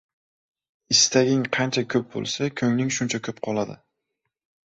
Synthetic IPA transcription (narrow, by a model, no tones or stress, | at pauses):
ɪst̪aɡʲɪŋqʰɑnt͡ʃʰakʲʰɵp̚bo̰lˠsakʲʰɵŋnɪŋʃʊnt͡ʃʰakʲʰɵp̚qʰɒlˠad̪ɪ̰